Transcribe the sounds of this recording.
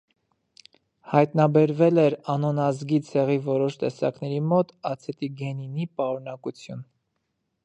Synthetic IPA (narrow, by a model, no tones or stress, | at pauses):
hɑjt̪nɑbɛɾvɛlɛɾɑnɔnɑzɡit͡sʰɛʁivɔɾɔʃt̪ɛsɑ̰knɛɾimɔt̪ɑt͡sʰɛt̪iɡɛninipɑɾunɑkut͡sʰjun